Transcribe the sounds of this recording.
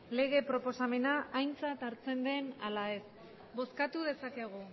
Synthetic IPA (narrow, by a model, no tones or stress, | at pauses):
le̞ɣ̞e̞pɾo̞po̞same̞naʔajnt͡sat̪aɾt͡se̞nd̪e̞nalae̞s | bo̞skat̪uðe̞sake̞ɣ̞u